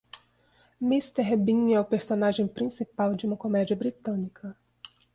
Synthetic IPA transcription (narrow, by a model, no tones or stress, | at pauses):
mist̪ɛɾbĩɛʊpeɾsonaʒẽj̃pɾĩsipawd͡ʒɪũmɐkomɛd͡ʒiɐbɾit̪ɐ̃nikʰɐ